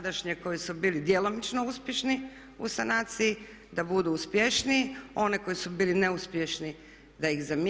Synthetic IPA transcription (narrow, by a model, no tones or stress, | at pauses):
d̪aʃɲeko̞jisubiːlid̪jelo̞mit͡ʃnouspʲjeʃni | ṵsanat̪sii | d̪abud̪uːspjeʃnio̞neko̞jisubiːline̞uspjeʃni | d̪aixzamj